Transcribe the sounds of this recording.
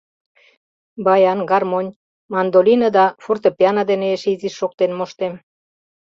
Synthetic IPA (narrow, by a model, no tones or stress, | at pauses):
bɑjɑnɡɑrmonʲ | mɑnd̪olinəd̪ɑfurt̪əpeɑnɑd̪eneeʃiziʃːok̚t̪enmoʃt̪em